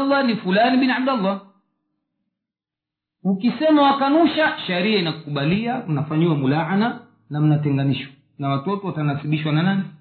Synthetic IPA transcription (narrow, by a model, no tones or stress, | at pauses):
lːanifulaniɓiniab̚dalːa | ukisɛmawakanuʃaʃɛɾiainakukuɓaliaunafaɲiwamulaʕana | nam̩natɛŋɡaniʃwa | nawatɔtɔwatanasiɓiʃwananani